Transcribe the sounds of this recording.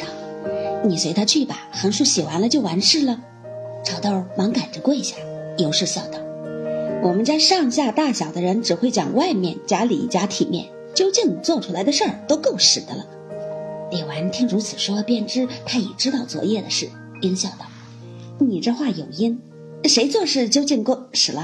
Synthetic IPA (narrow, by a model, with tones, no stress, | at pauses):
ni˨˩swe˧˥ɪt̪ʰa˥t͡ɕʰy˥˩pa˩xə˧˥nʂu˥˩ɕi˨˩xwa˧˥nlə˧t͡ɕjo˥˩ʊwa˧˥nʂɻ̩˥˩lə˨ | ʈ͡ʂʰɑ˨˩ʊt̪ɑ˥˩ʊmɑ˧˥ŋka˨˩nʈ͡ʂə˧˦kwɔ˥˧i˧˥ɕja˥˩jo˧˥ʊʂɻ̩˥˧ɕjɑ˥˩ʊt̪ɑ˥˩ʊwɔ˨˩mə˦nt͡ɕja˥ʂɑ˥˧ŋɕ̬ja˥˧t̪a˥˩ɕjɑ˨˩ʊd̪ə˦ɻə˧˥nʈ͡ʂɻ̩˨˩xwe˥˩ɪt͡ɕjɑ̰˨˩ŋwa˥˧ɪmjɛ˥˩nt͡ɕja˥lḭ˨˩˥t͡ɕja˥t̪ʰi˨˩mjɛ̰˥˩n | t͡ɕjo˥ʊt͡ɕi˥˩ŋt͡swɔ˥˩ʈ͡ʂʰu˥la˧˥ɪd̪ə˧ʂə˞˥˩t̪o˥ʊko˥˩ʊʂɻ̩˨˩d̪ə̰˦lə̰˧ | lɛ˨˩wa˧˥nt̪ʰi˥ŋɻu˧˥t͡sʰɹ̩˨˩ʂwɔ˥pjɛ˥˧nʈ͡ʂɻ̩˥t̪ʰa˥ɛ̰˨˩ʈ͡ʂɻ̩˥t̪ɑ˥˩ʊt͡swɔ̰˨˩jɛ˥˩d̪ə˩ʂɻ̩˥˩ | i˥nɕjɑ˥˩ʊd̪ə˧˩˥ | ni˨˩ʈ͡ʂɤ˥˧xwa˥˩jo˨˩ʊi˥n˧ | ʂe˧˥ɪt͡swɔ˥˧ʂɻ̩˥˩t͡ɕjo˥ʊt͡ɕi˥˧ŋko˥˩ʊʂɻ̩˨˩lə˦